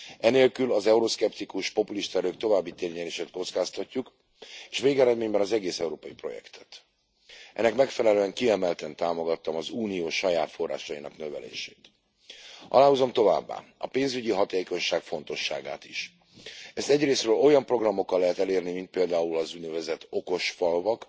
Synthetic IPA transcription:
ɛneːlkylɒzɛuɾoskɛpt̪ikuʃpo̞puliʃt̪ɛɾøːkt̪o̞vaːbːit̪eːrɲɛleːʃeːt̪ko̞t̪skaːst̪ɒcːuk | eːʃveːɡɛɾɛd̪meːɲbɛnɒzɛɡeːsɛuɾoːpɒjipro̞̰jɛ̰kt̪ʰɛ̥t̪ | ɛ̰nːɛkmɛkfɛlɛløːɛŋkiɛmɛlt̪ɛnt̪aːmo̞ɡɒt̪ːɒmɒzuːnijoːʃɒjaːt̪fo̞rːa̰ːʃɒjinɒ̰knø̞vɛ̰lḛːʃeːt̪ | ʔɒ̰laːɦuzo̞mt̪o̞va̰ːbːa̰ːɒpeːnzyɟiɦɒt̪eːko̞ɲʃaːkfo̞nt̪o̞ʃːa̰ːɡa̰ːt̪iʃ | ɛst̪ɛɟreːsrøːlo̞jɒmpro̞ɡrɒmːo̞kːɒlːɛɦɛt̪ɛleːrnimint̪̚peːld̪aːulɒzuɟnɛvɛzɛt̪o̞ko̞ʃfɒlvɒk

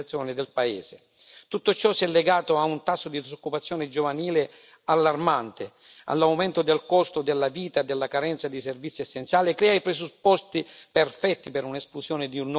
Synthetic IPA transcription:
t̪sːjɔːnɪd̪ɪlpaeːzɪ | t̪ut̪ːot͡ʃɔsɛlːeɡaːt̪oaunt̪asːod̪id̪isokːupat̪sːjɔːnɪd͡ʒovaniːlɪ | alːarmant̪ɪ | a̰lːawment̪ʊd̪elkɔst̪od̪elːaviːt̪ad̪elːakaɾɛnt̪sad̪iservit̪sːiɛsːent̪sjaːlikːɾɛːaipɾezupːɔst̪iperfɛt̪ːipɪɾunesplusjɔːnɪd̪iunː

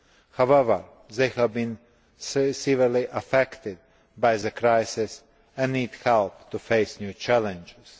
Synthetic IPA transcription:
hawɛvəɹ | ðeɪhævbĩn | ssiviɹliʔəfɛkt̪ɪd̪̚ | bajzəkɾaɪsɪs | ɛ̃nnidhɛlˠpt̪ufeɪsnjuːt͡ʃælɛ̃nd͡ʒɪz̥

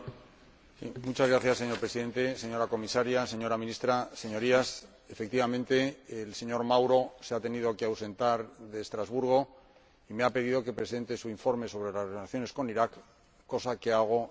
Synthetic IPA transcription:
sḭmut͡ʃazɣɾaθjasːe̞ɲoɾpɾeiðe̞nt̪e̞se̞ɲo̞ɾako̞misaɾjase̞ɲo̞ɾamĩnist̪ɾase̞ɲo̞ɾias | efe̞k̚t̪iβamẽnt̪e̞ːlse̞ɲo̞ɾmawɾo̞seat̪e̞nið̞okeawse̞nt̪aɾðe̞ːst̪ɾazβuɾɣ̞o̞ | ime̞ape̞ðiðo̞ke̞pɾe̞se̞nt̪e̞suiɱfo̞ɾme̞so̞βɾe̞lasre̞laθjo̞ne̞sko̞niɾakː | o̞sake̞aɣ̞o̞

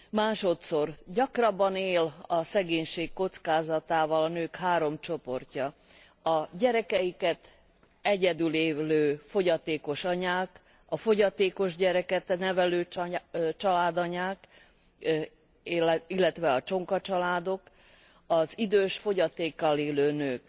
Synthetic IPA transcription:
maːʃo̞t̪so̞rɟɒkrɒbɒneːlɒsɛɡeːɲʃeːkkːo̞t̪skaːzɒt̪aːvɒlɒnøːkhaːɾo̞mt͡ʃo̞po̞rcɒ | ɒɟɛɾɛkɛjikɛt̪ | ɛɟɛd̪yleːløːfo̞ɟɒt̪eːko̞ʃɒɲaːk | ɒfo̞ɟɒt̪eːko̞ʒɟɛɾɛkɛt̪nɛvɛløː | t͡ʃɒlaːd̪ɒɲaːk | ilːɛt̪ʋɛɒt͡ʃo̞ŋkɒt͡ʃɒlaːd̪o̞k | ɒzid̪øːʃfo̞ɟɒt̪eːkːɒleːløːnøːk

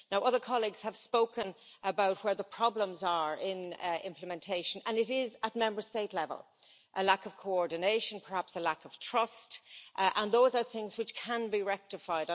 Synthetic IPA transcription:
naʊʔʌðə˞kʰɑlˠiɡz̥həv̥spoʊkə̃n | ʔəbaʊt̚wə˞ðəpʰɹ̥ɑblə̃mzə˞ɪ̃nɪ̃mpləmɛ̃ntʰeɪʃə̃nə̃nɪɾɪzət̚mɛ̃mbə˞steɪtˡlɛvə̰lˠ | ʔəlakʌv̥kʰoɔɹdⁿn̩eɪʃə̃npʰə˞hapsəlakəv̥tʰɹ̥ʌstʔə̃nðoʊzə˞θɪ̃ŋzwɪt͡ʃkʰə̃nbiɹɛk̚tɪfaɪɾ

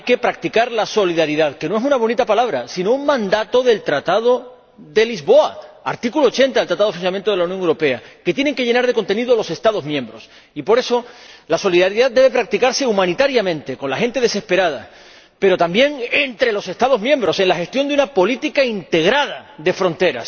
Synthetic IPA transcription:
jke̞pɾak̚t̪ikaɾlaso̞liðaɾiðaðke̞noes̬unaβ̞o̞nit̪apalaβ̞ɾasino̞uŋmãnd̪at̪o̞ðe̞lt̪ɾat̪aðo̞ | ðe̞lizβo̞aaɾt̪ikuloːt͡ʃe̞nt̪aðlt̪ɾat̪aðo̞funsament̪oðeaunjoŋewɾo̞pe̞aket̪jene̞ŋke̞ʝe̞naɾð̞e̞ko̞nt̪e̞niðolo̞se̞st̪að̞o̞zmjẽ̞mbɾo̞s | ipo̞ɾe̞so̞laso̞liðaɾiðaðd̪eβe̞pɾak̚t̪ikaɾse̞umãnit̪aɾjamẽ̞nt̪e̞ko̞nlaxe̞nt̪e̞ðe̞se̞spe̞ɾað̞a̰ | pe̞ɾo̞t̪ambje̞ŋe̞nt̪ɾe̞lo̞se̞st̪að̞o̞zmje̞mbɾo̞se̞ŋlaxe̞st̪jo̞nd̪unapo̞lit̪ikaint̪e̞ɣ̞ɾað̞aðe̞fɾo̞nt̪e̞ɾa̰s

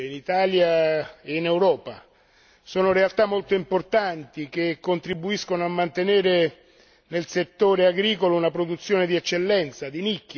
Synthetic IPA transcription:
init̪aːljaeinɛwɾɔːpa | soːnoɾealt̪amːolt̪oimport̪ant̪ik̟ekːont̪ɾibuiskonoamːant̪eneːɾe | nelset̪ːoːɾeaɡɾiːkolounapɾod̪ut̪sːjoːned̪iɛt͡ʃːelːɛnt̪sad̪inikː

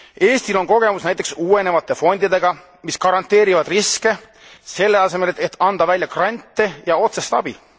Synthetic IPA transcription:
e̞ːst̪ilo̞nko̞ɡ̥e̞musnæjt̪ˑeksuːe̞ne̞vɑt̪ːˑe̞fo̞nʲd̪̥id̪e̞ɡ̥ɑ | miskɑɾɑnt̪ːˑe̞ːɾivɑd̪̥riske̞ | se̞lːe̞ɑse̞me̞let̪ːˑɑnd̪̥ɑvælʲjɑkrɑnʲt̪ːˑejɑo̞t̪se̞st̪ɑ̰b̥i

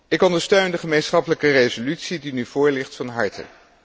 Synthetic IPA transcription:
ɪkɔndəɹstøɥndəχəmejnsχɑpələkərejzolytsidinyv̥ʊːɹlɪχtfɑnɦɑɹtʰə̰n

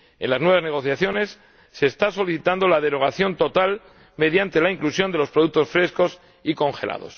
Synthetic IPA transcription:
e̞nlaznwe̞βazne̞ɣ̞o̞θjaθjo̞ne̞sː | e̞ːst̪aso̞liθit̪and̪o̞lað̞e̞ɾo̞ɣ̞aθjo̞nt̪o̞t̪al | me̞ðjant̪elaiŋklusjo̞nd̪e̞lo̞spɾo̞ð̞uk̚t̪o̞sfɾe̞sko̞s | iko̞ŋxe̞lʔa̰ðo̞̰s

